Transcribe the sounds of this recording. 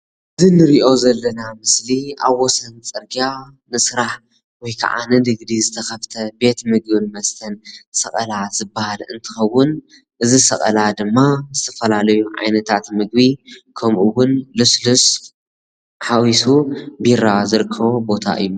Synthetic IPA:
ʔɨzinɨɾiʔo̞zɐlːɐnamɨsliaβːɔsɐnt͡sʼɨɾɡia | nɨsɨɾaħ | wɔjkʰa̰ʕa̰nɨd̪ɨɡd̪izɨt̪ʰɐxɐft̪ʰɐbe̞t̪mɨɡ̚bɨnmɐst̪ʰɐnsɐχʼɐ̰lazɨbːahalɨ̰nt̪ʰɨ̥xɐwːʊn | ʔɨzisɐ̰kʼɐ̰lad̪ɨmːazɨt̪ʰɐfɐlalɐjuʕa̰jnɐt̪ʰat̪mɨɡ̚bikʰɐmʔuwʊnluslus | ħawisubiɾazɨɾɨkʰːɐβobo̞t̪ʰa̰ʔɨ̰jːu

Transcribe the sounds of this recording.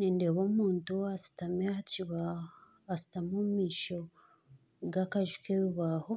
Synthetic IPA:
niːndeβomuːntuasi̥tamehaciβa | asi̥tamumiːʃo | ɡakaʒukeβiβaho

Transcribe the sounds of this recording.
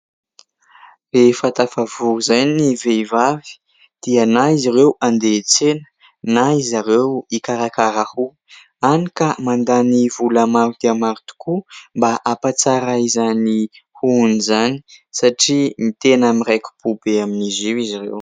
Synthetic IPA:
refat̪afavuɾuzajniveivavi̥ | d̪̥ianaiziɾewand̪et͡senə̥ | naizaɾewikaɾakaɾahu | anikamand̪anivulamaɾud̪̥eamaɾut̪u̥kʰumbaʔapat͡saɾaizani | huunizani̥saʈ͡ʂimit̪enamirajkʲu̥b̥ubeaminiziwiziɾḛw

